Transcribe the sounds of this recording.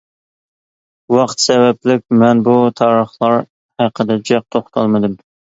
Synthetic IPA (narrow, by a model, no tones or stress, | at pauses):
wɑqt̪sɛvɛplɪkʲmɛnbut̪ʰɑːɾəχlˠɑɾ | hæqʰəd̪ɛd͡ʒɛq̚t̪ʰoχt̪ʰɑlˠmɨd̪ɨm